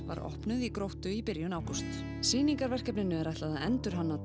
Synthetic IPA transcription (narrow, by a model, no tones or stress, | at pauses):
va̰ɾɔ̰hpnʏðikɾowht̪ʏipɪɾjʏnaːwkɔst̪ | siːniŋkaɾvɛr̥kɛpnɪnːʏɛɾaht̪aðaɛnt̪ʏɾ̥ɦanːa